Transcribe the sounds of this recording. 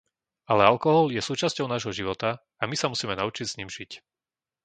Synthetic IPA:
alɛalkɔɦɔljɛsuːt͡ʃascɔʊnaːʒɦɔʒiʋɔt̪a | amisamusiːmɛnaut͡ʃiɟz̥ɲimʒic

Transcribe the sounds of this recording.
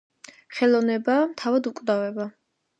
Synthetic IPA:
χɛlˠɔnɛbamt̪ʰavad̪ukʼd̪avɛba

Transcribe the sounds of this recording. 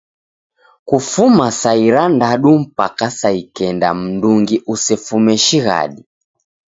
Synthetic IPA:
kufumasaiɾandaɗum̩pakasaikɛnda̰m̩nduŋɡiʔusɛfumɛʃiɣa̰ɗi

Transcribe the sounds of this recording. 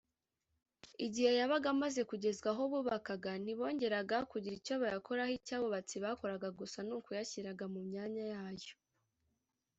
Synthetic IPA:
iɟihejaβaɡamaze̞kuɟe̞zɡaɦoβuːβakaɡan̥iβo̞ːɲɟe̞ɾaɡakuɟiɾicoβajako̞ɾahicaːβo̞βat͡siβako̞ɾaɡaɡusanuːkojaçiɾaɡamumɲaːɲajaːjo̞̥

